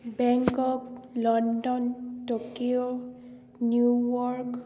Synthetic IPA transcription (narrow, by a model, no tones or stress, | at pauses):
bɛŋkɔk̚lɔndɔntokio | njuwɔɹk